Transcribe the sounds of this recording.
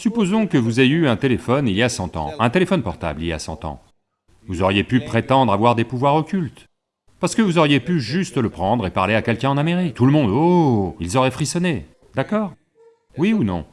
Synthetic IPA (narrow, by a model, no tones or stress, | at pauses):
sypozɔ̃kəvuzeyɛ̃t̪elefɔniljasɑ̃t̪ɑ̰̃ɛ̃t̪elefɔnpɔʁt̪a̰blilja̰sɑ̰̃t̪ɑ̰̃ | vuzɔʁjepypχet̪ɑ̃d̪ʁavwaʁd̪epuvwaʁɔkʲylt̪ | paʁsə̥kəvuzɔʁjepyʒyst̪ləpχɑ̃d̪ʁepaʁleakʲɛlkʲɛ̃ɑ̃nameʁik̚t̪uləmɔ̃d̪oilzɔʁɛfχisɔne | d̪akɔːʁ | wiunɔ̰̃